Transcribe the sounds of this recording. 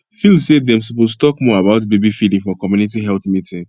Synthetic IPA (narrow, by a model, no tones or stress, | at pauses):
filˠsedɛ̃msɔpostɔkmɔabaʊt̬bebifidĩŋfɔkɔmjunitiɦɛlˠθmitĩŋ